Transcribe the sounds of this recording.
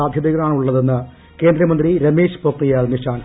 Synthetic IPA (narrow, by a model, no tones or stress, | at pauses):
aːd̪ʱjɐðiɣɐɭaːɳuɭːɐðenːɨ | keːnd̪ɾɐmɐnd̪riɾɐmeːʂpoːknijaːlniʂʈʰaːn